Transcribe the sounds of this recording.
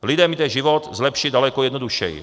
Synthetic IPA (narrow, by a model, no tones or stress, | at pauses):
lɪdɛmit̪ɛʒɪvot̪zlɛpʃɪdalɛkojɛdnoduʃɛ̰j̰